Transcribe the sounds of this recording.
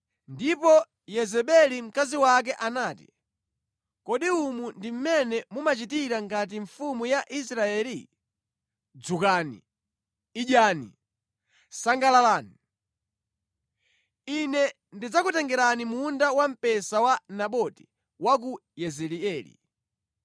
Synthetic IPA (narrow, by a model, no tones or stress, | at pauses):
ndipɔ | jɛzɛɓɛlim̩kaziwak̬ɛʔanaːtḭ | kɔɗiumundim̩mɛnɛmumat͡ʃitiɾaŋɡat̬iɱfumujaʔis̬ɾaɛːli | d͡zukaːnḭː | ʄaːnḭ | saŋɡalalaːni | inɛ | ndid͡zakutɛŋɡɛɾanimundawam̩pɛsawanaɓɔti̥ | wak̬ujɛzɛliɛːlḭ